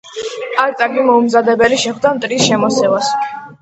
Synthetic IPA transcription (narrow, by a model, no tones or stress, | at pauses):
aɾt̪ʼaɾmimɔumzad̪ɛbɛliʃɛχd̪amt̪ʼɾisʃɛmɔsɛvas